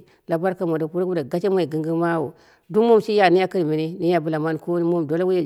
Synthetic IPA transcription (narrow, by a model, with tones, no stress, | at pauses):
la˨ba˦ɾka˨m˨a˨do˨ku˦ɾɡda˨ɡa˦t͡ʃe˦mʷ˦a˨i˨ɡi˨ŋɡi˦ma˦wo˨ | du˦mo˦˨mʃi˦ja˨ni˦ja˦ki˦ɾmi˨ne˦ni˦ja˦bu˦la˨ma˦nko˦ni˦mo˦mdo˦la˦ɡu˦ja˦